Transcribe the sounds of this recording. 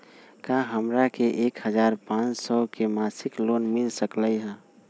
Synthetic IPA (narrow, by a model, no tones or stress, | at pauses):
kaɦəmɾakeʔeːkhəd͡ʒaːɾpãt͡ʃsɔkemasɪklonmɪlsəkləiɦɛ̃